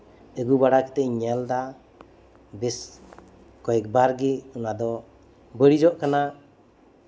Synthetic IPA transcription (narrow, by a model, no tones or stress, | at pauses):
əɡubaɽakɛ̥t̪ɛʔɲɛld̪a | bɛs | kɔɛk̚baɾɡiunad̪ɔ | bəɽid͡ʒɔʔkana